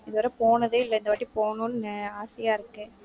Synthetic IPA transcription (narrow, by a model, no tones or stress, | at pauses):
ɪðɯʋɐɾɐpoːnɐðɯɪlːɐɪnd̪ɐʋaːʈːipoːnũnaːsɪjaːɪɾɯkːɯ